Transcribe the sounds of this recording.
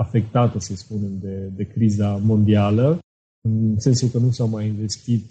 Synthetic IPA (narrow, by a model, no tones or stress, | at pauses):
afe̞k̚t̪at̪əsəspune̞md̪e̞d̪e̞kɾizamo̞nd̪ialə | ɨnse̞nsulkənusawmajinve̞st̪it̪̚